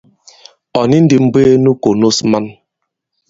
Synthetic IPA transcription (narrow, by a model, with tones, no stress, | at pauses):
ɔ˨ni˦n̩˦di˨m̩˦be˦nu˦ko˨no˦sma˦n